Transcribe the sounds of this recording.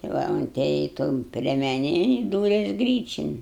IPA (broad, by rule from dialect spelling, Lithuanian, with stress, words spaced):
tʲɪ ˈʋɐ ʊnʲˈtʲeːjɛɪ toːn pʲrʲiɛmʲɛˈnʲeːn ɪ ˈduːrʲɛs ˈɡrʲiːt͡ʃʲɪn